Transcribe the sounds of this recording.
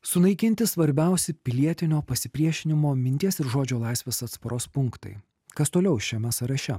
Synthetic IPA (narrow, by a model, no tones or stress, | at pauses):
sʊnɐɪkʲɪnʲt̪ʲɪsʋɐɾʲbʲæˑʊsʲɪpʲɪlʲiɛt̪ʲɪnʲoːpɐsʲɪpʲɾʲiɛʃʲɪnʲɪmoːmʲɪnʲt̪ʲiɛsɪɾʒoːd͡ʒʲoːlˠɑˑɪsʲʋʲeːsɐt̪spɐɾʔoːspʊŋkt̪ɐ̰ɪ | kɐst̪oːlʲɛʊʃʲɛmʲɛsɐɾɐʃʲɛ̰